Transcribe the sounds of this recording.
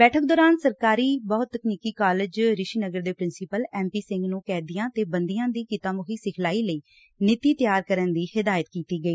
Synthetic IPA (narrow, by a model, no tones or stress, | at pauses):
bɛːʈʰək̚d̪ɔːɾaːnsəɾkaːɾiːbɔːt̪ːəkniːkiːkaːlɪd͡ʒɾɪʃiːnəɡəɾd̪eːpɾɪnsɪpəlɛːmpiːsɪ̃ŋɡnũːkɛːd̪ijãːt̪eːbənd̪ijãːd̪iːkɪt̪ãːmʊkʰiːsɪkʰlaːiːləiː | nɪt̪iːt̪jaːɾkəɾənd̪iːhɪd̪aːjət̪kiːt̪iːɡəiː